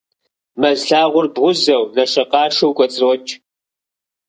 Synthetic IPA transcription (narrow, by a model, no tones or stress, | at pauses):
mɐzɬaːʁʷʊrbʁʷʊzɐwnɐʂɐqɑːʂɐwkʷʼɔt͡sʼroːt͡ʃʼ